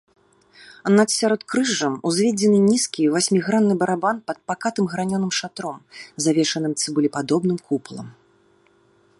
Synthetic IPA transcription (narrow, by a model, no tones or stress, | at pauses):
nat̪sʲaɾɔt̪̚kɾɨʐɐmuzʲvʲɛd͡zʲɛnɨnʲiskʲivasʲmʲiɣɾanːɨbɐɾabanpɐt̪̚pakat̪ɨmɣɾanʲɔnɨmʂat̪ɾɔmzavʲɛʂɐnɨmt̪sʲɨbɨlʲipad̪ɔbnɨmkʰuplˠɐ̰m